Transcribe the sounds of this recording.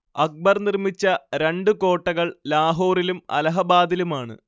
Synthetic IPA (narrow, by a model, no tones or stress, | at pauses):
ɐk̚bɐrnirmit͡ɕːɐɾe̞ɳɖɨko̞ːʈːɐɣɐɭlaːɦoːrilumɐ̰lɐɦɐbaːd̪ilumaːɳɨ̰